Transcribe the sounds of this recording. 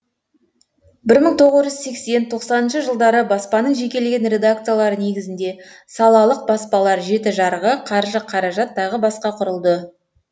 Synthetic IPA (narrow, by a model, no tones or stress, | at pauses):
bɪɾməɴt̪ʰo̞ʁəzʒʏzse̞kse̞nt̪ʰo̞qsɑnənʃəʒəlˠd̪ɑɾəbɑspɑnəɴʒe̞kʲe̞lɡʲe̞nɾʲe̞d̪ak̚t̪sɨjalˠɑɾəne̞ɡʲɪzɪnd̪e̞sɑlˠɑlˠəq̚bɑspɑlˠɑɾʒe̞t̪ɪʒɑɾʁəqʰɑɾʒəqʰɑɾɑʒɑt̪ːɑʁəbɑsqɑqʰʊɾəlˠd̪ə